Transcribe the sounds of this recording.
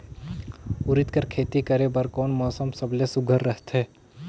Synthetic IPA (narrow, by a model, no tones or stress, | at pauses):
ʊɾɪt̪kəɾkʰeːt̪ikəɾebɐɾkɔːnmɔːsəmsɐblesʊɡʱəɾːəɦt̪ɦɛː